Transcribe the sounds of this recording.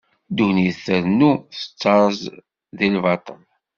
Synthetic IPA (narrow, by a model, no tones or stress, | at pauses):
d̪uniθəɾnːuθə̥t͡sːɑɾˤəz | ðilvɑt̪ˤəl